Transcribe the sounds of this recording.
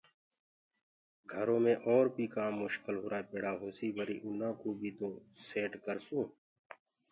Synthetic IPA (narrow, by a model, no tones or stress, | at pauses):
ɡʱəɾõːmẽʔɔːɾpiːkaːmːʊʃkəlɦʊɾaːpeːɽaːɦoːsiːbəɾḭːʔʊnãːkuːbʱiːt̪oːseːʈkəɾsũː